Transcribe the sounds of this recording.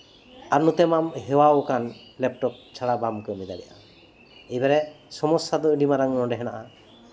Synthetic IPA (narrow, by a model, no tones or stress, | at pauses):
aɾnut̪ɛmamɦɛwawkanlɛp̚ʈɔk̚t͡ʃʰaɽabamkɔjmid̪adɛ̰jʔa | ɛjbaɾɛsɔmɔsad̪ɔɖimaɾaŋnɔɖɛɦɛna̰ʔa